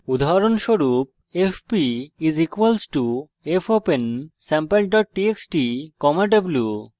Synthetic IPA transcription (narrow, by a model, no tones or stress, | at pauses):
ud̪ʱaɾonʃoɾup̚ | efʰpiizikwalsʈu | epʰopensɛmpelɖɔʈ̚ʈieksʈikɔmaɖɔblju